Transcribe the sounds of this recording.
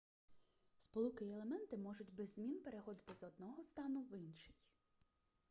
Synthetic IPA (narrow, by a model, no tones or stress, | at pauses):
spɔlˠukɪelˠemɛnt̪ɪmɔʒʊtʲbɛzʲːmʲinpe̞ɾexɔd̪ɪt̪ɪzɔd̪nɔɦɔst̪ɑnʊʋinʃɪ̥j